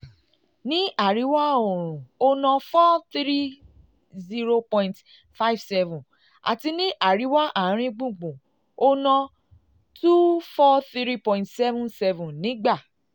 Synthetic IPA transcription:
nĩ˦a˦˨ɾi˨˦wa˦o˨ɾ̃ũ˨o˧nã˧fɔ˦θɾi˦ | zi˦ɾo˧pɔ̃˧ĩ˨nt | fa˦i˦˨vsɛ˧vũ˨ | a̰˨ti˧nĩ˦ʔa˦˨ɾi˨˦wa˦ʔa˦˨˦ɾ̃ĩ˧ɡ͡bũ˦˨ɡ͡bũ˨ | o˧nã˧ | tu˦fɔ˦θi˦ɾi˦pɔ̃˧ĩ˨tsɛ˦vũ˦nsɛ˧vũ˨nĩ˨˦ɡ͡ba˦˨

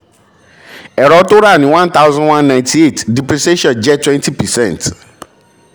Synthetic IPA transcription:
ɛ˨ɾɔ˨˦to˦ɾa˦˨nĩ˨˦wã˦n˦t̪a˦wzɔ̃˦wã˦nnã˨j̃ti˦e˦˨tdi˨pɾi˨se˦ʃɔ̃˦˨nd͡ʒɛ˦twɛ̃˦nti˦pɛ˨sɛ̃˦˨nt

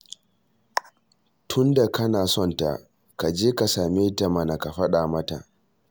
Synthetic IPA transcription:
tʰʊ˦nda˨kɐ˦naː˨sɔ˦˨nta̰˨ | ka˨d͡ʒeː˦ka˨saː˨meː˦ta˨mɐ˨na˨ka˨ɸɐ˦ɗaː˨mɐ˦ta̰˨ʔ

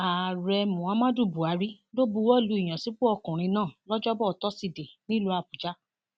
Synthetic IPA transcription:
a˨ɾɛ˧mũ˨ã˨˦mã˦du˦˨bu˨a˨˦ɾi˦ | lo˦bu˧wɔ˦˨lu˧i˨j̃ã˨si˨˦k͡pu˦ɔ˧kũ˨ɾ̃ĩ˧nãː˦˨lɔ˦d͡ʒɔ˦bɔ˦ɔ˧˦tɔ˦si˧˨de˨nĩ˦lu˧˦a˨bu˨d͡ʒa˦

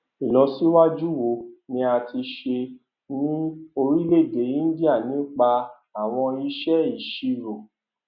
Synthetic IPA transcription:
i˨lɔ˧si˦wa˦d͡ʒu˦wo˧nĩ˧˦a˧ti˧ʃe˧ | nĩ˦o˧ɾi˦le˦˨de˨˦jĩ˦di˦a˦˨nĩ˨˦k͡pa˧ | a˦˨w̃ɔ̃˧i˧ʃɛ˦i˨ʃi˧ɾo˨

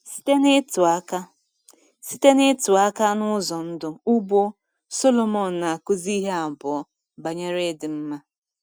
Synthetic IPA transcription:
ka˦ | si˦te˦nɪ˦tʊ˨a˦ka˦nʊ˦zɔ˨n̩˦dʊ˦u˦bo˦ | so˦lo˦mɔ˨n̩˨na˨a˨kʊ˦zi˦ɦe˦a˨bɔ˨ɔ˦ | ba˨ɲe˦ɾe˦dɪ˨m̩˦ma˦

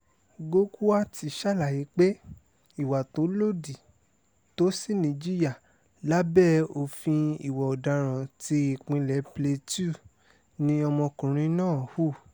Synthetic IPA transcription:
ɡo˦ku˦a˦ti˨˧ʃa˦˨la˨ji˨˦k͡pe˦ | i˦˨wa˨to˨˦lo˦di˨ | to˨˦si˦nĩ˨d͡ʒi˦ja˦˨ | la˦bɛ˦˨o˧fĩ˧i˨wɔ˨ɔ˨da˧˦ɾ̃ã˨ti˧i˨k͡pĩ˧lɛ˨˦ple˧tu˦˨ | nĩ˧˦ɔ˧mɔ̃˧kũ˨ɾ̃ĩ˧˦nãː˦˨hu˦˨

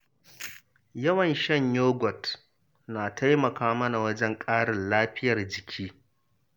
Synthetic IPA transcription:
jɐ˦wɐ˨nʃɐ˦ɲjoː˦ɡʷɔ˨t | naː˨tʰa˦jmɐ˨kaː˦mɐ˦na˨wɐ˦d͡ʒɛ˦ŋkʼaː˦ɽɪ˨nlaː˦ɸɪ˦jɐ˨rd͡ʒɪ˨kʲʰiː˦

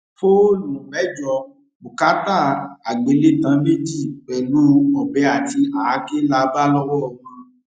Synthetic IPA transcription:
fo˦nũ˨bɛ˨˦d͡ʒɔ˧˨ | mu˨ka˨˦ta˦˨a˨ɡ͡be˨˦le˦˨tã˨˦me˦d͡ʒi˦˨k͡pɛ˨lu˦ɔ˨bɛ˨˧˦a˨ti˧a˨a˨˦ke˦la˧ba˦lɔ˦wɔ˦˨mã˧˦

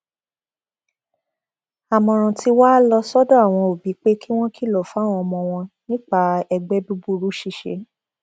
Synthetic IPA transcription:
a˨mɔ̃˨ɾ̃ã˨ti˧waː˦lɔ˧sɔ˦dɔ˦a˦˨w̃ɔ̃˧o˨bi˨˦k͡pe˦ki˦w̃ɔ̃˦kʰi˦˨lɔ˨fa˨˦w̃ɔ̃˧mɔ̃˧w̃ɔ̃˧nĩ˦k͡pa˦ɛ˧ɡ͡bɛ˨˦du˦bu˦˧˨ɾu˦ʃi˦˧˨ʃḛ˨˦

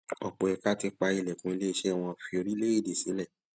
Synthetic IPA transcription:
ɔ̰˨k͡po˨ɛ˧ka˦ti˧k͡pa˧i˧˨lɛ˨kũ˧i˧le˦i˧ʃɛ˦˨w̃ɔ̃˧fi˧o˧ɾi˦le˦i˦˨de˨sĩ˨˦lɛ˦˨

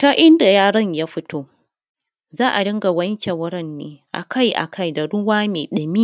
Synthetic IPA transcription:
ta˦ʔɪ˦nda˨jaː˦ɽɐ˦ɲjaː˦ɸɪ˦tʰoː˦ | zaː˦ʔa˨dɐ˦ŋɡa˨wɐ˦ɲkʲe˨wʊ˦ɾɐ˦nːeː˨ʔa̰˨kʰa˦˨jʔa̰˨kʰa˦˨jda˨ɽʊ˦waː˦meː˨ɗɐ˨miː˦

